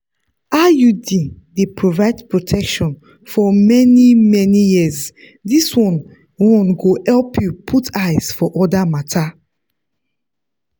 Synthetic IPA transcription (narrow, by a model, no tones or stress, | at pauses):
ajudĩn | depʰɹovaɪdpɹotʰɛkʃɔ̃n | fɔmɛnimɛnijiz | diswɔ̃n | wɔ̃nɡohɛlpʰjupʰutajz̥fɔʔɔdamatʰa